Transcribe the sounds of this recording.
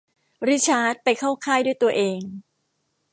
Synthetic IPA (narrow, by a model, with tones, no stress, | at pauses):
ɾi˦˥t͡ɕʰaː˦˥t̪̚pa˧jkʰaː˥˩wkʰaː˥˩jdu˥˩˨jt̪u˧ɐʔeː˧ŋ